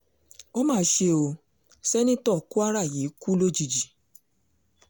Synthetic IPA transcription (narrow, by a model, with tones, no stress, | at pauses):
o˦mãː˦˨˦ʃe˧o˧ | sɛ˦nĩ˦tɔ˦˨ku˦a˦ɾa˦˨ji˨˦ku˦lo˦d͡ʒi˧˨d͡ʒi˨